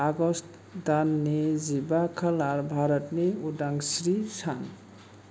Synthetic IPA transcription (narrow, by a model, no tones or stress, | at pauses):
aɡɔst | d̪anːezibakʰalaɾbʱaɾɔtneudaŋsɾisʰan